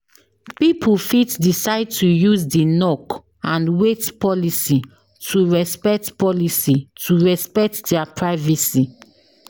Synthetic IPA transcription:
pipʰufitdisaɪd̚tujuzdinɔk | ãnwetpɔlisi | tʰuɹɛspɛk̚tpɔlisitʰuɹɛspɛk̚tdɛapɹaɪvɛsi

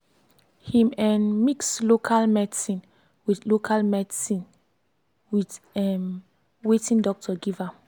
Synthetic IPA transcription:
hĩmɛ̃nmikslokʰalmɛdsĩn | widlokʰalmɛdisĩn | wid | ɛm | wetĩndɔk̚tʰɔɡiva

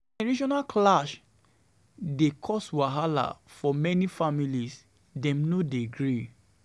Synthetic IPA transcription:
ɛɹiʃɔnaklaʃ | dekʰɔswaɦala̰fɔmɛnifamilis | dɛ̃mnodiɡɹi

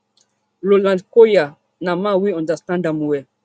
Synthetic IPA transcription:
lolãndkoja | namãwiɔ̃ndastãndamuwɛ

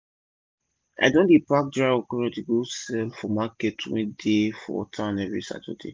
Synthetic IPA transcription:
a̰dõndipak̚dɹaɔkɔɹɔ̃tiɡosɛlfɔmakɛtʰwḛ̃defɔ̰tʰããnɛvɹḭsa̰tɔ̰dḛ

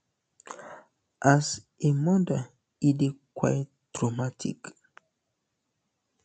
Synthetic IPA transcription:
ʔas | emɔ̃da | idekwa̰jtː | ɹɔmatʰḭk

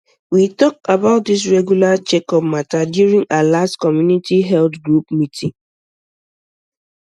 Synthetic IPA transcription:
witɔkabaʊt̚dis̬ɹɛɡjulat͡ʃɛkɔp̚matadjuɹĩŋalastkɔmjunitiɦɛltɡɹupmitʰĩŋ

